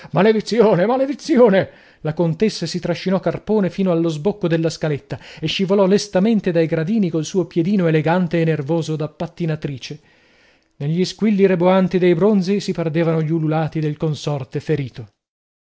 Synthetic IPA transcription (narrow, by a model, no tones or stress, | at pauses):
maled̪it̪sːjoːnemaled̪it̪sːjoːne | lakont̪esːasit̪ɾaʃːinɔkːarpoːnefiːnoalːozbokːod̪elːaskalet̪ːaeʃːivolɔlest̪ament̪ed̪ajɡɾad̪iːnikolsuːopjed̪iːnoeleɡant̪eːnːervoːzod̪apːat̪ːinat̪ɾiːt͡ʃe | neʎːiskwilːiɾeboant̪id̪ejbɾond̪zisiperd̪eːvanoʎiululaːt̪id̪elkonsɔrt̪efeɾiːt̪o